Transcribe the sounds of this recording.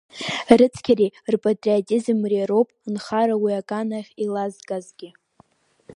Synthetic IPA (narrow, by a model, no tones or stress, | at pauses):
rɨt͡sʰkʲʰarirpʼatʼriatʲʼizmriaɾowpʼnχaɾawiakʼanaχʲilazɡʼazɡʲɪ